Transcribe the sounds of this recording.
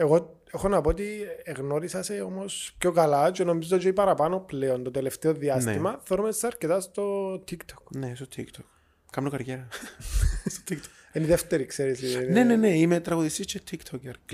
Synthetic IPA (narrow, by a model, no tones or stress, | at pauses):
e̞ɣo̞ | exo̞nɐpoot̪ieɣno̞ɾisɐseomo̞spco̞kɐlɐt͡ʃeno̞mizoot͡ʃoipɐɾɐpɐno̞pleo̞nt̪ot̪eleft̪eoðiɐst̪imɐθeoɾumest̪ːɐɾce̞t̪ɐst̪o̞t̪ʰikt̪ʰo̥knest̪ot̪ʰḭkt̪ʰok | kɐmnokɐɾʝeɾɐ | st̪o̥t̪ikt̪ʰo | eniðeft̪e̞ɾikseɾisinneneneimet̪ɾɐɣoðist̪ist͡ʃet̪ʰikt̪ʰokeɾ